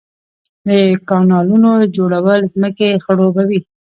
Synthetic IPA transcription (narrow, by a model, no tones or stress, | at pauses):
d̪əkɑnɑlunod͡ʒoɽawəlzməkexəɽobawi